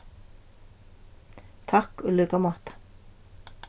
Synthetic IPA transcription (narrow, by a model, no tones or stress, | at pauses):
t̪ʰakɔlœːkamɔt̪ḁ